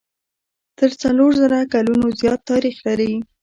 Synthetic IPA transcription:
t̪əɾt͡saloɾzaɾakalunozjɑt̪ːɑɾixlaɾi

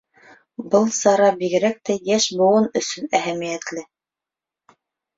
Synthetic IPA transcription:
bɤlˠsɑɾɑbiɡɘ̆ɾæk̚t̪æjæʃbŏwɤnɵ̆sɵnæɦæmijæt̪lɘ

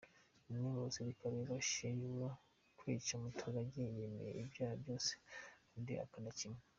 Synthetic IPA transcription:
niɾosiɾikaβiɾoʃejuɾa | kwiːt͡ʃamutʰuɾaɟijemḛjḛibjaːhabjo̞ːse̥kaːndḭa̰kanacime

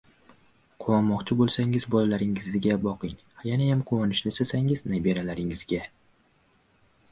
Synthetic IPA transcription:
qʰowɒnmɒqt͡ʃʰɪbolˠsaŋɪzbɒlalaɾɪŋɪzɪɡʲabɒqɪŋhajanajamqʰʊwɒnɪʃnɪsasaŋɪznajbe̞ɾalaɾɪŋɪzɡʲa

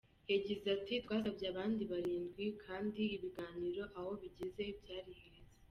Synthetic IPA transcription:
eɟezatitwaːzabjaːβaːndiβaɾiːnzɡwikʰaːndiːβiɡaːniɾo̞ʔaho̞βiɟeze̞bɟaːɾiheɾeze

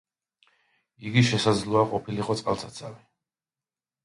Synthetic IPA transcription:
iɡiʃɛsad̪zlˠɔaqʼɔpʰiliqʼɔt̪sʼqʼa̰lˠsʰat̪sʰavi

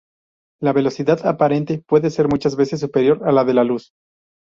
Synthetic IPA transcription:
laβe̞lo̞siðaðapaɾe̞nt̪e̞pwe̞ðe̞se̞ɾmut͡ʃazβe̞se̞s̬ːupe̞ɾjo̞ɾalaðe̞lalus

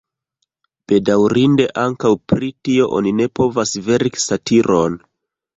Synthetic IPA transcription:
b̥e̞dawɾinde̞ʔaŋkawpɾitio̞ʔo̞̰nine̞po̞vasve̞ɾksatʰiɾʔon

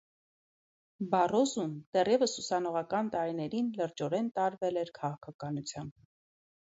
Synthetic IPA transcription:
bɑrɔzumd̪̥ɛrjɛvəsusɑnɔʁɑkɑnt̪ɑɾinɛɾinləɾd͡ʒɔɾɛnt̪ɑɾvɛlɛɾkʰɑʁɑkʰɑkɑnut͡sʰjɑmb

